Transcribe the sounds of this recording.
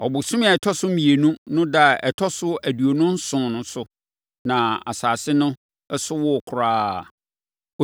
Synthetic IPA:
ɔ˨bʊ˨sũ˦m˦a˨ɛ˨tʰɔ˦sʊ˦m̩mĩ˨e˨nũ˦nʊ̃˦da˦˨ɛ˨tʰɔ˦sʊ˦æ˨du˨o˨nʊ̃˦n̩˦sʊ̃˨nʊ̃˨sʊ˦ | nã˨a˨saː˨sɪ˦nʊ̃˦ | ɛ˦sʊ˦wɔ˦˨kʰʊ˨ɾaː˦˨

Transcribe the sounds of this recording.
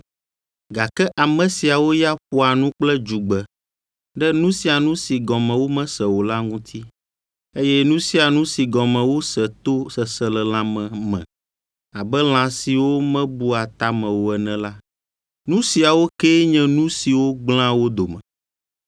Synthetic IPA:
ɡa˨kɛ˦ʔa˨mɛ̃˨si˨a˨wo˦ja˦ɸu˦a˨nũ˦k͡plɛ˦d͡ʒu˨ɡ͡bɛ˨ | ɖɛ˦nũ˦si˨a˨nũ˦si˨ɡɔ̃˨mɛ̃˨wo˦mɛ̃˦sɛ˨wo˨la˦ŋũ˦t̪ʰi˦ | e˦jɛ˦nũ˦si˦a˨nũ˦si˨ɡɔ̃˨mɛ̃˨wo˦sɛ˨t̪o˦sɛ˨sɛ˨lɛ˨l̃ã˨mɛ̃˨mɛ̰̃˨ | a˨bɛ˦l̃ã˨si˨wo˦mɛ̃˦bu˦a˨t̪a˨˦mɛ̃˨wo˨ɛ˨nɛ̃˦la˦ | nũ˦si˨a˨wo˦kɛ˦ɲɛ̃˦nũ˦si˨wo˦ɡ͡bl̃ã˦wo˦d̪o˨mɛ̃˨

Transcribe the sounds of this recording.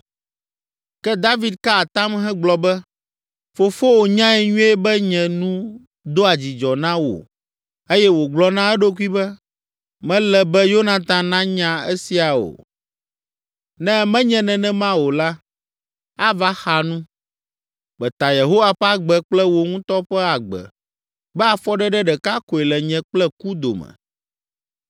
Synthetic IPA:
kɛ˦d̪a˦vi˦d̪̚ka˦a˨t̪ã˦mɦɛ̃˦ɡ͡blɔ˨bɛ˦ | fo˨fo˦wo˨ɲã˦ɛ˨ɲũ˦ɛ˦bɛ˦ɲɛ̃˨nũ˦ | d̪o˦a˨d͡ʑi˨d͡ʒɔ˨nã˦wo̰˨ | e˦jɛ˦wo˨ɡ͡blɔ˦nã˦ɛ˦ɖo˦k̬u˦i˦bɛ˦ | mɛ̃˦lɛ˨bɛ˦jo˦nã˨t̪ã˨nã˦ɲã˨ɛ˦si˨a˨o̰˨ | nɛ̃˦mɛ̃˦ɲɛ̃˨nɛ̃˨nɛ̃˦mã˦wo˨la˦ | a˦va˦xa˨nũ˦ | k͡pɛ˨t̪a˨je˨ɦo˦wa˦ɸɛ˦a˦ɡ͡bɛ˨k͡plɛ˦wo˨ŋũ˦t̪ɔ˦ɸɛ˦a˨ɡ͡bɛ̰˨ | bɛ˦a˨fɔ˦ɖɛ˦ɖɛ˦ɖɛ˨ka˦ko˨ɛ˨lɛ˨ɲɛ̃˨k͡plɛ˦ku˦d̪o̰˨mɛ̰̃˨

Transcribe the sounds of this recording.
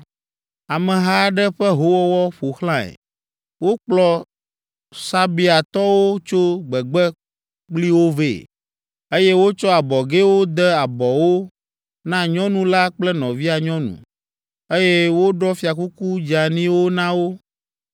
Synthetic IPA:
a˨mɛ̃˨ɦa˦ɖɛ˦ɸɛ˦ɦo˦wɔ˦wɔ˦ɸo˨xlã˦ɛ̰˨ | wo˦k͡plɔ˨ | sa˦bi˦˨a˨t̪ɔ˦wo˦t͡ʃo˦ɡ͡bɛ˨ɡ͡bɛ˦ | k͡pli˦wo˦ve˦˨ | e˦je˦wo˦t͡ʃɔ˦a˨bɔ˨ɡe˦wo˦d̪ɛ˦a˨bɔ˨wo˦ | nã˦ɲɔ̃˦nũ˦la˦k͡plɛ˦nɔ̃˨vi˦a˨ɲɔ̃˦nṵ̃˨ | e˦jɛ˦wo˦ɖɔ˦fi˨a˨ku˦ku˦d͡ʒa˨nĩ˦wo˦nã˦wo˦

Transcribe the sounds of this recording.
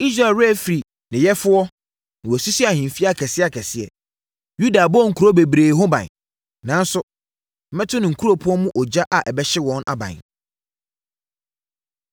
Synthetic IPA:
i˦s̬ɾa˨lɾɛ˦˨fɾi˨ | nɪ̃˨jɛ˦fʊ˦ɔ˦ | nɪ̃˨wɔ˨si˦si˦a˨hɪ̃˨m̩˨fi˦a˨kʰɛ˨sɪ˦a˨kʰɛ˨sɪ˦ɛ̰˨ | ju˦da˨bɔ˦ŋ̩˨kʰu˨ɾo˦be˨bɾeː˨˦ɦõ˦bã̰˨n | nã˨˦n˦sʊ˦ | m̩˨mɛ̃˦tʰʊ˦nɪ̃˨ŋ̩˨kʰu˦ɾo˦pʰʊ̃˦ɔ˦mʊ̃˦ʔɔ˨d͡ʑa˦ʔa˨ʔɛ˨bɛ˦ɕɪ˦wɔ̃˦na̰˨bã̰˨n

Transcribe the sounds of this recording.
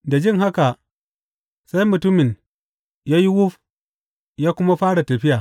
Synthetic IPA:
da˨d͡ʒɪ˦ŋɦa˦ka˨ | sa˦jmʊ˨tʊ˦mɪ˨n | jaː˦ji˦wʊ˦f | jaː˦kʷʊ˦ma˦ɸaː˦ɽa˨tɐ˨ɸɪ˦jaː˨

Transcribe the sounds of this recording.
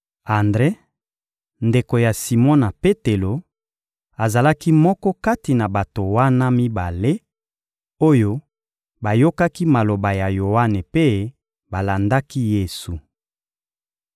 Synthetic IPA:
a˨ndʁe˦ | nde˨ko˨ja˨si˨mɔ̃˦na˨pe˦te˨lo˨ | a˨za˨la˦ki˦mɔ˦kɔ˦ka˦ti˨na˨ba˨to˨wa˦na˦mi˦ba˨le˦ | o˦jo˦ | ba˨jo˦ka˦ki˦ma˨lo˨ba˨ja˨jo˨wa˦ne˨pe˦ | ba˨la˨nda˦ki˦je˨su˨

